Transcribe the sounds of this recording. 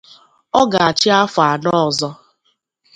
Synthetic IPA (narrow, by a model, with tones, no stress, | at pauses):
ɔ˦ɡa˨a˨t͡ʃɪ˦a˦fa˨nɔ˦˨zɔ˦